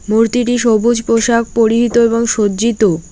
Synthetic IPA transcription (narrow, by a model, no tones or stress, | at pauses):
muɾt̪iʈiʃobud͡ʑpoʃak̚poɾiɦit̪oeboŋʃoːd͡ʑit̪o